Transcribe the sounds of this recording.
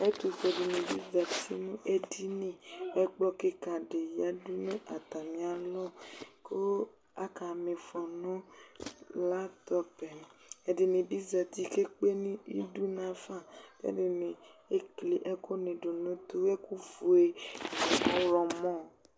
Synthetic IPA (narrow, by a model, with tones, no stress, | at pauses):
e˦t̪u˨fe˨di˨nĩ˨bḭ˦za˨t̪ḭ˦nũ˦ʔe˦di˦nĩ˨ɛ˦k͡plɔ˦ke˦ka˨ɖe˨ja˦du˦nũ˦ʔa˨t̪a˨mĩ˨a˨lɔ˦ko˦ | a˦ka˨mẽ˨fɔ˨nũ˦ | la˦t̪ɔ˦pɛ˨e˨di˨nĩ˨bi˦za˨t̪i˦ke˦k͡pe˦nĩ˦ḭ˦du˦nã˨fa˦˨t̪ḛ˦de˨nẽ˨e˦kle˨ʔɛ˦ko˦nẽ˨ɖo˨nũ˦t̪o˦e˦ku˦vu˨e˦˨nɔ˨kɔ̃˦ɾɔ˨mɔ̃˦˨